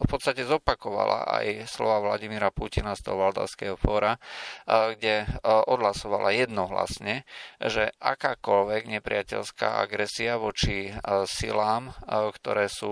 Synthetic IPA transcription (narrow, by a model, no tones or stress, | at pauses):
fpɔt̪st̪acɛzɔpakɔʋa̰la̰ʔa̰jslɔ̰ʋaʋlaɟimiɾapucinast̪ɔ̰ɦɔʋald̪a̰ʊskɛːɦɔfɔːɾa | ɡɟɛʔɔd̪lasɔʋalʔajɛd̪nɔɦla̰sɲɛʒɛʔa̰kaːkɔlʋɛɡɲɛpɾɪ̰acɛ̰lska̰ːa̰ɡɾɛsiaʋɔt͡ʃisḭlaːmkt̪ɔɾɛːsuː